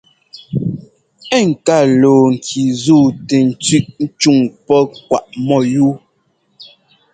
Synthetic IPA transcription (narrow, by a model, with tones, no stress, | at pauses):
ɛ˦˨ŋ̩˨ka˦˨loː˨ŋ̩˨kʰi˨zuː˦˨tɛ˨n̩˨t͡si˦ʔn̩˦t͡ʃu˦˨ŋpɔ˦kwa˨ʔmɔ˦˨ju˦